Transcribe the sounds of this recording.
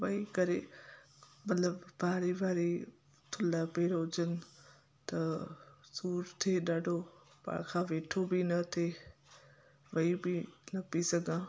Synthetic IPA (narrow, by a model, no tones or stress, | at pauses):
ʋɐikɐɾe | mɐt̪ləbbʱaːɾibʱaːɾi | t̪ʰʊlapeːɽoʊd͡ʑənɪ̆ | t̪ɐsuːɾt̪ʰeɗaːɖʱo | pã̰kʰãːʋeːʈʰobinɐt̪ʰe | ʋɐibinɐpisɐɡãː